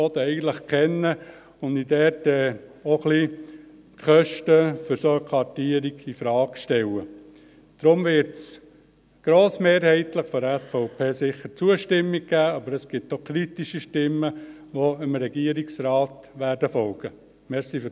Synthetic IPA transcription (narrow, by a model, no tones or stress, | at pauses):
ot̪əɛɪɡən̩t̪ləχkʰɛnːə | ʊnd̪id̪ɛːtɛoχli | kχœʃtəfʏɾsokʰɑtiəɾiɡifɾɑːkʃtɛwə | d̥ɾʊmʋɪɾts | ɡ̥ɾoːsmeːɾhɛɪt̪ləχfɔɾɛsfɔʊpʰeːsɪχːəɾt͡suəʃtɪmːik̚ɡæːɑbəɾəsɡ̥ɪt̪ːokʰɾit̪iʃiʃtɪmːə | ʋoɪmɾɛɡiəɾiksɾɑːt̪ʋæːɾdəfɔlɡ̥ə | mɛɾsif